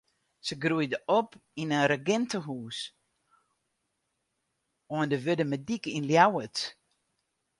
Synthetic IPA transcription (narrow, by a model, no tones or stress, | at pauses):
səɡrujdəʔɔpinəɾəɡɪntəɦuːs | ɔəndəʋødəmədikinljawət